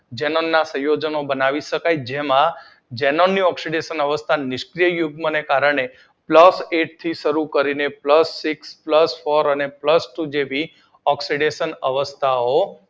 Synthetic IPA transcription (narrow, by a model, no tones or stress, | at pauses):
d͡ʒɛnonːasə̃jod͡ʒənobənaʋiʃəkajd͡ʒemã | d͡ʒenonːiɔksiɖeʃənəʋəst̪ʰanɪʃkɾijəjuɡmənekaɾəɳ̃e | pləseʈt̪ʰiʃəɾukəɾinepləsːikspləsfoɾənepləsʈud͡ʒebʱi | ɔksiɖeʃənəʋəst̪ʰao